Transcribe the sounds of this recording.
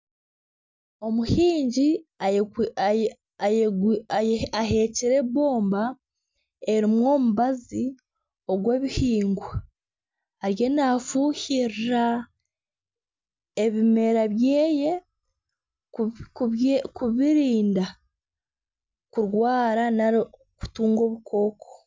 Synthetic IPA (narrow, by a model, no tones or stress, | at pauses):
o̞muhiːɲɟia | aɦe̞ːciɾe̞βo̞ːmba | e̞ɾimwo̞ːmuβazi | o̞ɡwe̞ːβihiːŋɡwa | aɾje̞naːfuːhiɾɾa | eβime̞ɾaβjeːje̞ | kkuβiɾiːnda | kuɾwaːɾanaɾ | ku̥tuːŋɡo̞ːβukʰo̞ːkʰo̥